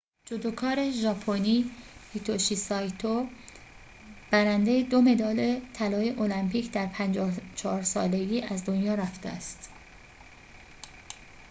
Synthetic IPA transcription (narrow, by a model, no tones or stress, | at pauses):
d͡ʒod̪okʰɒːɾe̞ʒɒːpʰoniːit̪ʰoʃisɒjt̪ʰo | b̥æɾænd̪e̞jed̪o̞me̞d̪ɒːlet̪ʰælɒːje̞ʔolæmpiːcʰd̪æɾpʰænd͡ʒɒːt͡ʃʰɒhɒːɾsɒ̰ːle̞ɡiːæzd̪onjɒːɾæft̪eæst̪